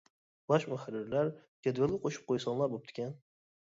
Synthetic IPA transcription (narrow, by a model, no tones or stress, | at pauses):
baʃmʊxaɾːɪɾlaɾkʲʰed̪velˠɪqʰoʃɪ̥p̚qʰojsɒnlˠaɾbop̚t̪ʰɪ̥kʲʰan